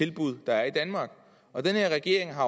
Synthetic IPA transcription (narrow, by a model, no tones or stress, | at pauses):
e̝lb̥uð̞̰ˠd̥ɑ̈æɐid̥ænmɑ̈ːɡ̥ | ɒ̽d̥enhe̝ɐʁɛɡ̥e̝̰ɐeŋɦɑ̈